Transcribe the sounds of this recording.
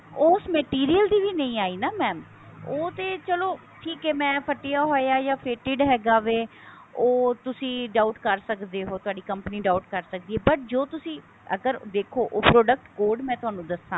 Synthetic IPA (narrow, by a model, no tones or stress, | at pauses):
oːsmɛʈiːɾijəld̪iːʋiːnə̃ĩːaːiːnaːmɛːm | oːt̪eːt͡ʃəloː | ʈʰiːkɛːmɛ̃ːpʰəʈːijaːɦoːeaːjaːpʰeːʈɪɖɦɛːɡaːʋeː | oːt̪ʊsĩːɖaːʊʈkəɾsəkd̪eːɦoːt̪ʊaːɖiːkəmpniːɖaːʊʈkəɾsək̚d̪iːɦɛːbəʈ̚d͡ʒoːt̪ʊsĩː | ə̰ɡəɾd̪eːkʰoːʔoːpɾoːɖək̚ʈkoːɾɖmɛ̃ːt̪ʊaːnũːd̪əsãː